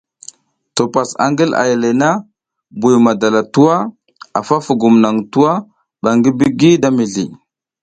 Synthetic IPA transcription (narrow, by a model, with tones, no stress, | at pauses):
to˨pa˨sa̰˨ŋɡi˦la̰˨ja˨le˨na˦ | bu˨jma˨da˨la˨tu˦wa˦ | a˨fa˦fu˨ɡu˨mna˨ŋtu˦wa˦ | ɓa˨ŋɡi˦bi˦ɡi˦da˦mi˨ɮi˨